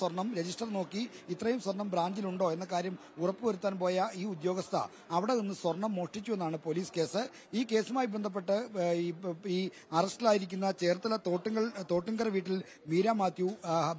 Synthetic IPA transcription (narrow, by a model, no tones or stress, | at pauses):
swɐrɳɐmɾe̞d͡ʑisʈɐrno̞ːkːiit̪ːrɐjumswɐrɳɐmbɾaːɲd͡ʑiluɳɖo̞ːe̞nːɐkːaːɾjɐm | urɐpːɨʋɐɾut̪ːaːnpo̞ːjɐiːud̪jo̞ːɡɐst̪ʰɐ̰ | ɐʋiɽe̞ninːɨswɐrɳɐmːo̞ːʂʈit͡ɕːue̞nːaːɳɨpo̞liːske̞ːsɨ | iːke̞ːsumaːjibe̞nd̪ʱɐp̬ːe̞ʈːɨ | iː | ɐrɐsʈilaːjiɾikʲːunːɐt͡ɕe̞ːrt̪ːɐlɐt̪oːʈːiŋɡɐɭt̪o̞ːʈːiŋɡɐrɐʋiːʈːil | miːɾaːmaːt̪ːju